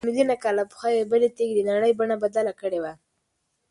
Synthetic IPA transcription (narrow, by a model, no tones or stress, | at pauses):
mɪljunakɑlapʊ̥xajebəlet̪eɡd̪enaɽəjbaɳabad̪alakəɽewa